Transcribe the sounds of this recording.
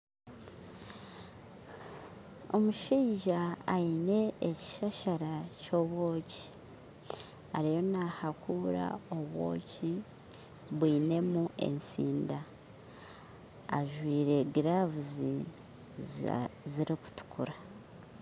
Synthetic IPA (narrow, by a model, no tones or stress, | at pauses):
o̞muʃiːʒaːine̞ːci̥ʃaʃaɾaco̞ːβwo̞ːci̥ | aɾijo̞nahakuːɾa̰o̞βwo̞̰ːci | βwiːne̞muʔe̞̰nsiːnda | ʒwiːɾe̞ɡiɾavuzi | ziɾiku̥tu̥kuɾa